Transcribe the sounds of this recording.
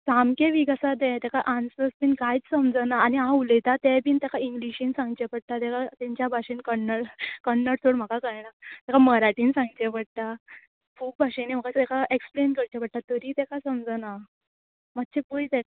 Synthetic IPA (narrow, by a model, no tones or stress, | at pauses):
samkeʋiɡasad̪ɛt̪ɛkaʔansəspiːnkajt͡ssəmd͡zənaːniɦãuləjt̪at̪ɛ̃piːnt̪ɛkaiŋɡliɕinsãŋɡt͡ɕepəɽ̚t̪at̪ɛkat̪ɛ̃ɲt͡ɕjabʱaɕenkəɳːəɽkəɳːəɽt̪ʰoɽm̤akakəjnat̪ɛkaməɾaʈiːnsãŋɡt͡ɕepəɽ̚t̪a | kʰuːb̚bʱaʂenem̤əkat̪ɛkaʔeksplenkəɾt͡ɕepəɽ̚t̪at̪əɾiːt̪ɛkasəmd͡zəna | mat̪ːt͡ɕʰepujt̪ɛk